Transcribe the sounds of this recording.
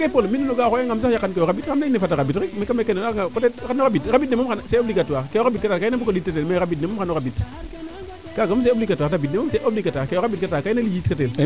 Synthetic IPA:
kepolminːinoɡaxojeŋams̬akjakːankejoɣabitamnainefataɾabitimekamekenenaŋakotetxanoɣabitɾabitnemomanseoblikatakejoɣabit̚ktakanabukolitkaemeɾabitnemoxanoɣabit | kaɡams̬eoblikatatabitnemamseʔoblikatakejoɣabitkatakainalijitkatel

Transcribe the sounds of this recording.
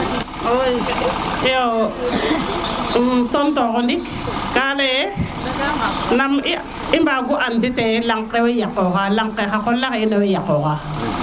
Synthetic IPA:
o | jo | tɔntokɔndik | kaleje | nami | imbaɡuʔanditelaŋkewejakːokalaŋkɛxakɔlakinawejakːoka

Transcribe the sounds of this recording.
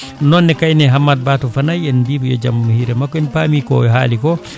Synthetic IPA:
nɔnːɛkajnɛɦamːad̚batɔfanajɛnbibujɔ̰d͡ʒa̰mmuhiɾɛmakːɔɛnpaːmikɔ̰ɦa̰ːlikɔ

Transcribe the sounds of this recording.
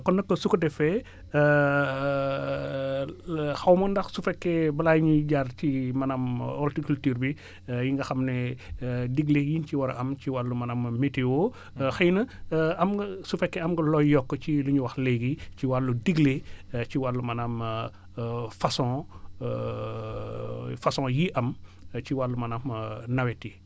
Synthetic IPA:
kɔnːɐkːɐsukɐdɛfɛ | xɐwmɐndɐxsufɛkːɛbɐlajɲiɟarcimɐnamɔltikultiːɾbi | jiŋɡɐxɐmnɛ | diɡlejinciwɐɾɐ̰ʔɐmt͡ʃiwalːumɐnammetewo | xɐjnɐɐmɡɐsufɛkːɛɐmɡɐlɔjjɔkːət͡ʃiluɲuwɐxleɡit͡ʃiwalːudiɡlet͡ʃiwalːumɐnam | fɐsɔ̃ | fɐsɔ̃ːjiʔɐmt͡ʃiwalːumɐnamnɐwetːi

